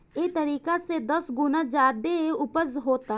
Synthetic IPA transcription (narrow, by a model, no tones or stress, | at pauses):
et̪ɐɾiːkased̪ɐsɡʊnad͡ʒaːd̪eʊpəzɦoːt̪a